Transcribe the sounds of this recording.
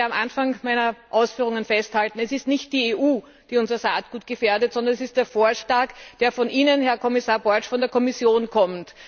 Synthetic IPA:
amʔanfaŋmæɪnɐʔaʊsfyːʁ̞ʊŋənfɛsthaltn̩ɛsɪstnɪçt̚d̥iːeʔuː | d̥iːʊnzɐsaːt̚ɡ̥uːt̚ɡ̥əfeːɐdətsɔndɐnɛsɪst̚d̥eːɐfoːɐʃlaːkd̥eːɐfɔnʔiːnənhɛɐkʰɔmɪsaːɐbɔɐt͡ʃfɔndeɐkʰɔmɪsjoːnkʰɔmt

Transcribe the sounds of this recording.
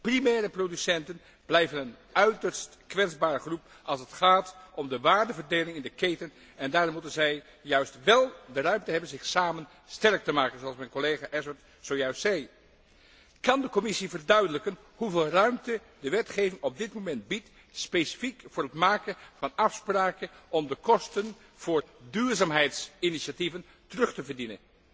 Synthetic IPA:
primɛːrəprodysɛntən | b̥lɛjvənən | œɥtəɹstkʋɛtzbaːɹəχrup | ʔɑlˠsətχaːtʔɔmdəʋaːɹdəvəɹdejlɪŋɪndəkejtən | ɛndaːrmutənzɛj | jœɥstʋɛlˠdərœɥmtəɦɛbənzɪχsaːmən | stɛrk̚təmaːkənzoɑlˠsmɛjnkolejχaʔɛsəɹt | zowjœɥstsɛj | kɑndəkɔmɪsivərdœɥdələkən | huveːlˠrœɥmtə | dəʋɛtχejvɪŋɔb̚dɪtmomɛntbit | spejsi̥fikvʊːrətmaːkənvɑnɑfspraːkənɔmdəkɔstən | v̥ʊːrdyːɹzaːmɦɛjtsɪniʃativən | tərɵχtəvəɹdinə̰n

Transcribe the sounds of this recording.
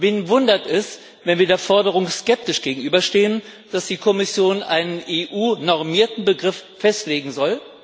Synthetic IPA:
vɪnvʊndɐtɛs | vɛnviːɐdeːɐfɔɐdəʁ̞ʊŋskɛp̚tɪʃɡ̥eːɡŋ̩ʔyːbɐʃteːən | d̥asd̥iːkʰɔmɪsjoːnʔaɪnənʔeːʔuːnɔʁmiːɐtn̩bəɡʁɪfːɛstleːɡŋ̩zɔl

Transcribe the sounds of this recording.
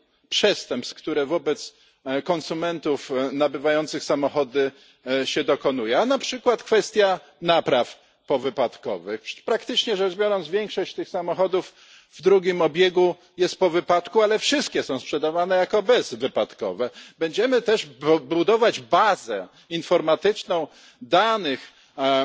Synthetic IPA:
pʂɛst̪ɛmpskt̪uɾɛvɔbɛt̪s | kɔnsumɛnt̪ufnabɘvajɔnt̪sɘxsamɔxɔd̪ɘ | ɕɛd̪ɔkɔn̪ujɛanapʂɘkwat̪kfɛst̪ʲja | napɾaf | pɔvɘpat̪kɔ̰vɘxpɾakt̪ɘt͡ʂɲɛʐɛʐbʲjɔɾɔnzvʲjeŋkʂɔɕt͡ɕt̪ɘxsamɔxɔd̪uf | vd̪ɾuɡʲimɔbʲjeɡu | jɛst̪̚pɔvɘpat̪kualɛfʂɘst̪̚kʲɛsɔ̃w̃spʂɛd̪avanɛjakɔbɛzvɘpat̪kɔ̰vɛbɛɲd͡ʑɛmɘt̪ɛʐbud̪ɔvad͡ʑbazɛ | infɔɾmat̪ɘt͡ʂnɔ̃w̃ | d̪anɘx

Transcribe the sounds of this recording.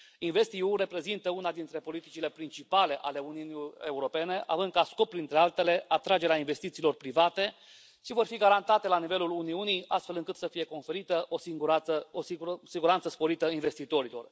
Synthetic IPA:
inve̞st̪iure̞pɾe̞zint̪əunad̪int̪ɾe̞po̞lit̪it͡ʃile̞pɾint͡ʃipale̞ʔale̞uniunie̞uɾo̞pe̞ne̞ʔa̰vɨnd̪̚kasko̞pːɾint̪ɾe̞alt̪e̞le̞at̪ɾad͡ʒe̞ɾeainve̞st̪it̪siːlo̞rpɾivat̪e̞ | ʃivo̞rfiɡaɾant̪at̪e̞lanive̞luluniunija̰st̪fe̞lɨŋkɨt̪səfije̞ko̞nfe̞ɾit̪əʔosiɡuɾaəosisiɡuɾant̪səspo̞ɾit̪əinve̞st̪it̪o̞ɾilo̞̰r

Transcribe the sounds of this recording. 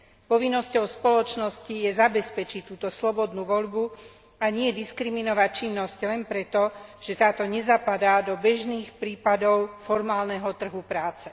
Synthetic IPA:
pɔʋinːɔscɔʊspɔlɔt͡ʃnɔscijɛzabɛspɛt͡ʃit̪uːt̪ɔslɔbɔd̪nuːʋɔʎbu | aɲɪɛd̪iskɾiminɔʋact͡ʃinːɔsclɛnpɾɛt̪ɔʒ̥ɛt̪aːt̪ɔɲɛzapad̪ad̪ɔbɛʒniːxpɾiːpad̪ɔʊfɔɾmaːlnɛɦɔt̪r̩ɦupɾaːt͡sɛ

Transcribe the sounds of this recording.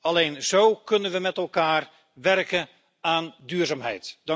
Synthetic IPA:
ɑlejnzowkɵnənʋəmɛtɛlˠkaːr | ʋɛrkən | aːndyːɹzaːmɦɛ̰jtd

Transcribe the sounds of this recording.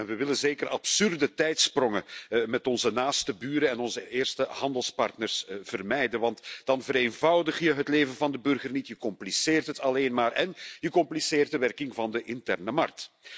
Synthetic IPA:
ɛnʋəʋɪlənzeːkərʔɑ̰psʏrdətɛjtsprɔŋəmɛtɔnzənaːstəbyːɾəɛnɔnzəʔɪːrstəhɑndəlˠspɑ̰rtnərsv̥ərmɛjdənʋɑntd̥ɑnvəɾeːnvɑwdəχjəɦətleːvənvɑndəbɵrɣərnitjəkɔmpliseːrtɦətɑleːnmaːrɛnjəkɔmpliseːrt̚dəʋɛrkɪŋvɑndəʔɪntɛrnəmɑ̰rk̚t

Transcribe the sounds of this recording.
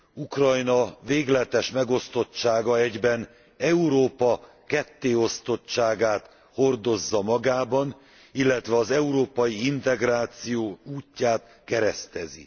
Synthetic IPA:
ukrɒjnɒveːɡlɛt̪ɛʃmɛɡo̞st̪o̞t͡ʃːaːɡɒɛɟbɛn | ɛuɾoːpɒ | kɛt̪ːeːo̞st̪o̞t͡ʃaːɡaːt̪ | ho̞rd̪o̞zːɒmɒɡaːbɒn | ilːɛt̪ʋɛɒzɛuɾoːpɒjiint̪ɛɡraːt̪sijoːuːcːaːt̪ | kɛɾɛst̪ɛzḭ

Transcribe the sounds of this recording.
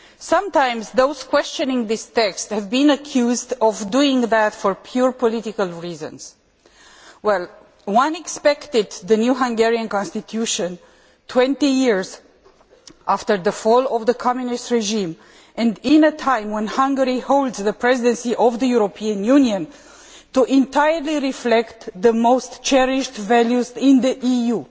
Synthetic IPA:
sʌ̃mtãɪ̃mzðoʊz̥kwɛst͡ʃɔ̃nɪ̃ŋðɪst̪ɛksthɛvbĩnəkʰjuzdɔvduɪ̃ŋðætfɔɹpʰjuɹpɔlitɪkəlˠɹizə̰̃nz̥ | wɛl | wʌ̃nɛkspɛkt̪ɪd̪ðənjuɦãŋɡɛɹiə̃nkɔ̃nst̪it̪ʰjuʃə̃n | tʰwɛ̃ntijiɹz | ʔaftəɹðəfɔlɔvðəkʰɔmjunistɹɛʒĩm | ʔɛ̃ndɪ̃nətʰãjmwɛ̃nhãŋɡəɹihoʊld̪zðəpʰɹɛzidɛ̃nsiʔɔvðəjuɾopʰiə̃njuniə̃n | tuʔɪ̃ntajəɹliɹiflɛkt̪ðəmoʊstt͡ʃɛɹɪʃtvɛljuzɪ̃nðəʔiju

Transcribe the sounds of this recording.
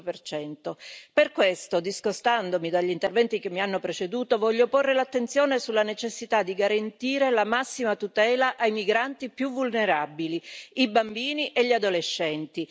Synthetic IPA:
pert͡ʃɛnt̪operkwest̪od̪iskost̪and̪omid̪aʎːint̪ervɛnt̪ik̟emːianːopɾet͡ʃed̪uːt̪ovɔʎːoporːelat̪ːent̪sjoːnesulːanet͡ʃesːit̪ad̪ːiɡaɾant̪iːɾelamasːimat̪ut̪ɛːlaʔajmiɡɾant̪ipjuvulneɾabiliibambiːniʔeʎːiad̪oleʃːɛnt̪i

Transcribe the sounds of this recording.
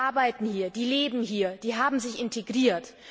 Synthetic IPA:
aɐbaɪtn̩hiːɐd̥iːleːbm̩hiːɐd̥iːɦaːbm̩zɪçɪntʰeɡʁiːɐt

